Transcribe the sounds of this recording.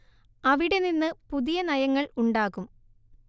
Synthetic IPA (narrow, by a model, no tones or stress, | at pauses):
ɐʋiɽe̞ninːɨpuðijɐnɐjɐŋːɐɭuɳɖaːɣum